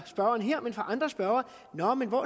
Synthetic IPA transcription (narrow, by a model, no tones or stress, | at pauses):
sb̥ɶɐɐnɦɛɐ̰menfʁɑ̈ʔɑ̈nd̥ʁɐsb̥ɶɐɐ | nɒmenʋɒ